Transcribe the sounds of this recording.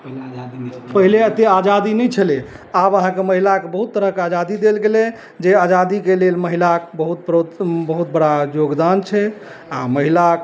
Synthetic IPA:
d͡ʒd̪ipəɦileət̪ead͡ʒad̪inɛjt͡ʃʰəle | abəɦãkeməɦilakebəɦut̪ːəɾəɦkead͡ʒad̪id̪elɡelɛ | d͡ʒead͡ʒad̪ikelelməɦilakbəɦut̪̚pɾobəɦut̪̚bəɽajoɡd̪ant͡ʃʰɛ | aməɦilak

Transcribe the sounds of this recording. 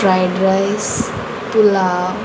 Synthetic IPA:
ɾajɖɾajs | pula

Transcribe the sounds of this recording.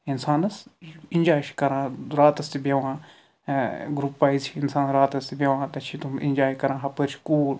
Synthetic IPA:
insaːnɐsinʲd͡ʒaːjʃi̥kɐɾãːɾaːt̪ɐst̪ibɐʋãː | ɡɾupːaːizʰiinsaːnɾaːt̪ɐst̪ibɐʋãːt̪ɐt͡ʃʰit̪umḭ̃nʲd͡ʒaːjkɐɾãːɦɐpɐɾt͡ʃʰi̥kuːl

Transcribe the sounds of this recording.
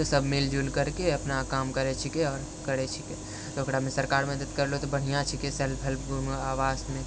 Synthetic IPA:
osəbmɪld͡ʒulkəɾkeɐpnakaːmkəɾet͡ʃʰɪkeɔːɾ | kəɽet͡ʃʰɪke | t̪okɽamẽsəɾkaːɾməd̪ət̪kəɾlot̪obəɽ̤ijãt͡ʃʰikesɛlpʰəlpʰɡumaːʋaːsmẽ

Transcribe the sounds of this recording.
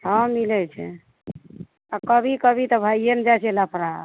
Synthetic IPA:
ɦɔ̃milɛt͡ʃʰɛ̰ | akəbʱikəbʱit̪əbʱaiend͡ʒat͡ʃʰelapʰɾa

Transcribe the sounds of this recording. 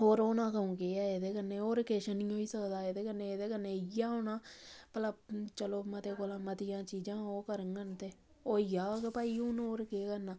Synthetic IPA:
hoːɾoːnãːkəũːkeːaːeːd̪eːkəneːoːɾekeːʃənĩːɦoːiːsəkd̪aːeːd̪eːkəneːeːd̪eːkəneːɪjaːoːnaːpəlaːt͡ʃəloːmət̪eːkoːlãːmət̪ɪjãːt͡ʃiːd͡ʒãːoːkəɾəɡənt̪eː | oːijaːkpaːiːunoːɾkeːkəɾnaː

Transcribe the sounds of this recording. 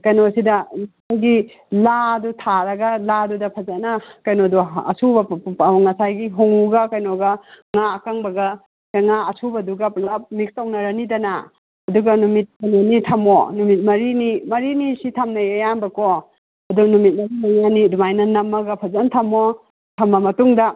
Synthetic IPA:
kɐjnosidɐsajɡi | ladutʰaɾɐɡɐladudɐpʰɐzɐnɐkɐjnoduɐ̰subɐŋɐsajɡiɦoŋuɡɐkɐjnoɡɐ | ŋaːkaŋbɐɡɐ | kaŋaɐsubɐduɡɐplɐp̚mik̚stawnɐɾɐnidɐnɐ | ɐduɡɐnumit̚kɐnonitʰɐmo̰numit̚mɐɾinimɐɾinisitʰɐmnɐjajanbɐko | ɐdunumit̚mɐɾimɐjanidumajnɐnɐmːɐɡɐpʰɐzɐntʰɐmo | tʰɐmːɐmɐtuŋdɐ

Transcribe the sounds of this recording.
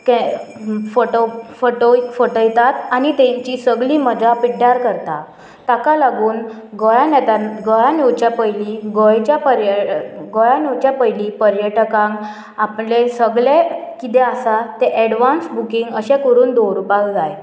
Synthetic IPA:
kɛ | foʈofəʈofoʈəjt̪at̪anit̪ẽɲt͡ɕisəɡliːməd͡zapiɖːaɾkəɾt̪a | t̪akalaɡuːn | ɡɔjanat̪anɡɔjanut͡ɕjapəjliɡojt͡ɕjapəɾjəɡojanuwt͡ɕjapəjliːpəɾjəʈəkãŋ | aplẽsəɡɭekit̪easat̪eʔɛɽʋansbukiŋɡəɕekoɾuːnd̪onɾupad͡zaje

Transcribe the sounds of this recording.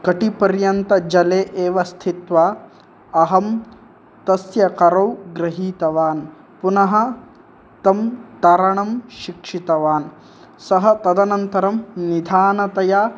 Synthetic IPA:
kɐʈipɐɾjɐnt̪ɐd͡ʒɐleːʔeːʋɐst̪ʰit̪ʋaː | ɐɦɐm | t̪ɐsjɐkɐɾɐwɡɾɐɦiːt̪ɐʋaːn | punɐɦɐ̆ | t̪ɐmt̪ɐɾɐɳɐmʃikʂit̪ɐʋaːn | sɐɦɐt̪ɐd̪ɐnɐnt̪ɐɾɐmnid̪ʱaːnɐt̪ɐjaː

